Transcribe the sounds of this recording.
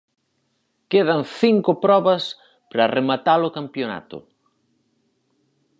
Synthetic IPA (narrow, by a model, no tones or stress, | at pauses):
keð̞ɐŋθiŋkʊpɾɔβɐs | pɾɐːremat̪alʊkampjona̰t̪ʊ̰